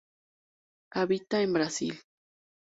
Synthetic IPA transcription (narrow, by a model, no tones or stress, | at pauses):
aβit̪aembɾasḭl